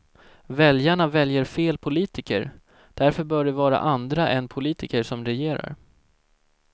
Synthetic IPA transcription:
vɛljaɳavɛljəɾfeːlpʰʊliːt̪ɪkə̰ɾ | d̪̥æɾfœbœːɖɛvɑːɾa̰ʔand̪ɾaʔɛnpʰʊliːt̪ʰɪkəʂɔmɾɛjeːɾa̰ɾ

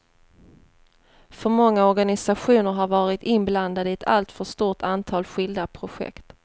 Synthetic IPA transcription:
fœɾmɔŋːaɔɾɡanɪsaɧuːnəɾɦaɾvɑːɾɪt̪ɪnbland̪ad̪əɛt̪ʰa̰lt̪fœʂt̪uːʈʰant̪ʰɑːlɧɪld̪apʰɾʊɧɛ̰kt̪

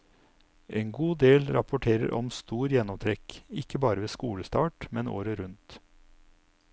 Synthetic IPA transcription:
ʔeːŋɡuːd̪eːlɾɑpʊʈʰeːɾə̰ɾʔɔmst̪uːɾjɛnɔmt̪ʰɾɛkɪkəbɑːɾəʋeːskuːɽəst̪ɑːʈmɛno̰ːɾəɾʉnt̪

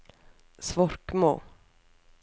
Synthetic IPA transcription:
svɔɾkmo̰ː

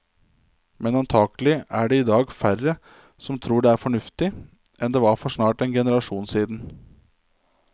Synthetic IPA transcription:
mɛnɑnt̪ʰɑːkəlɪæːɖɛiːd̪ɑːɡfæɾə | sɔmt̪ʰɾuːɖeːæːɾfɔɳʉft̪ɪ | ʔɛnd̪eːʋɑːɾfɔʂnɑːʈɛːnɡɛnəɾɑʂuːnsiːd̪n̩

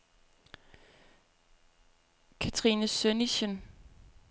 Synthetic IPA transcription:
kʰæt͡sʰʁiːnəsøniɕən

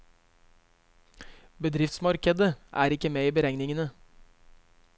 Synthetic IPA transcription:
bəd̪ɾɪft̪smɑɾkəd̪əʔæ̰ːɾɪkəmeːiːbəɾɛŋnɪŋənə

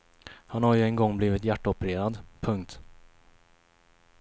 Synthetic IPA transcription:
hanhaɾjɵɛnɡɔŋːbliːvɪt̪jæʈːaɔpɛɾeːɾad̪pʰɵŋkt̪

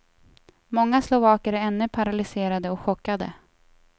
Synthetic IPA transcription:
mɔŋːaslʊvɑːkəɾæɛnːɵpʰaɾalɪseːɾad̪əɔkɧɔkːad̪ə̰

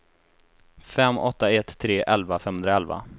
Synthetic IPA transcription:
fɛmːɔt̪ːaɛt̪ʰːɾeːʔɛlvafɛmhɵnd̪ɾaɛlva̰

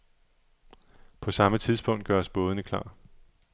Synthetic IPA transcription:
pʰɒ̽sɑ̈mət͡sʰið̞ˠsb̥ɔ̽ŋ̰d̥ɡ̥ɶɐsb̥ɔ̽ːðənəkʰl̥ɑ̰̈ː

